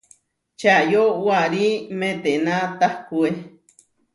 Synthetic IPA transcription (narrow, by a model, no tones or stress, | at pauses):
t͡ʃajowaɾimẽt̪enãt̪ahkue